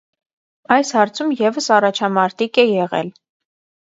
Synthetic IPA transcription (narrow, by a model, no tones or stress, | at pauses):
ɑjshɑɾt͡sʰumjɛvəsɑrɑt͡ʃʰɑmɑɾt̪ikɛjɛʁɛ̰l